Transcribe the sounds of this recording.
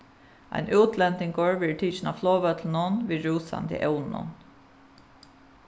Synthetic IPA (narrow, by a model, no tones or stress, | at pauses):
a̰ɪnʔʉːt̪ʰlɛnt̪ɪŋɡoːɹʋɪʈʰiːt͡ʃɪnaflɔːʋœt̪ln̩ʊnʋiːɹuːsa̰nt̪ɪ̰ʔɛʊnʊ̰n